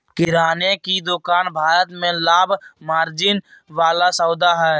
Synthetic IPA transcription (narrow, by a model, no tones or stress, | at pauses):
kɪɾaːnekid̪ʊkaːnbʱaːɾət̪mẽlaːbʱmaːɾd͡ʒɪnʋaːlasəːd̪aɦɛː